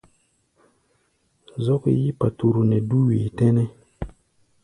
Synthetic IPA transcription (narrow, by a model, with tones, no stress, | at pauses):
zɔ˦kḛ˦ji˦pa˨tu˨ɾu˨nɛ˨du˦wi˨tɛ̃˦nɛ˦